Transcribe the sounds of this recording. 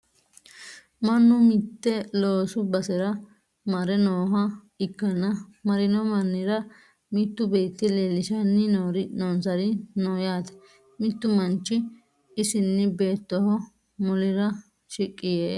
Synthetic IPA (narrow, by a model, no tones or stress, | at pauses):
mɐnːʊmɪt̪ːɛloːsʊbɐsɛɾɐ | mɐɾɛnoːɦɐ | ɪkːɐnːɐmɐɾɪnɔmɐnːɪɾɐ | mɪt̪ːʊbeːt̪ːɪlelːɪʃɐnːɪnoːɾɪnoːnsɐɾɪnoːjaːt̪ɛ̥ | mɪt̪ːʊmɐnt͡ʃːɪ | ɪsɪnːɪbe̞ːt̪ːɔhɔ | mʊlɪɾɐ | ʃɪkʼːɪjeː